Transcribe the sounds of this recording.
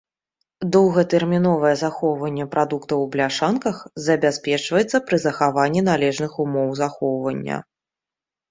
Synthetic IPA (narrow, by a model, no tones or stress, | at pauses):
d̪ɔwɣɐt̪ɛrmʲinɔvɐjɛzaxɔwvɐnʲːɛpɾʔad̪ukt̪ɐwblʲaʂankɐxzɐbʲasʲpʲɛt͡ʂvɐjɛt̪sːɐpɾɨzɐxavanʲːinalʲɛʐnɨxumɔwzaxɔwvɐnʲːɐ̰